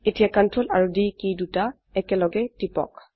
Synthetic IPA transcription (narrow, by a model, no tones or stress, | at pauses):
etijakantɹolaɹudikiduta | ɛkɛlɔɡɛtipɔ̰k